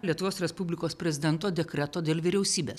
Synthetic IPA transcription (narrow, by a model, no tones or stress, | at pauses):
lʲiɛt̪ʊʋoːsɾʲɛspʊbʲlʲɪkoːspʲɾʲɛzʲɪd̪ʲɛnt̪oːd̪ʲɛkɾʲɛt̪oːd̪ʲeːlʲˠʋʲɪɾʲɛʊsʲiːbʲeːs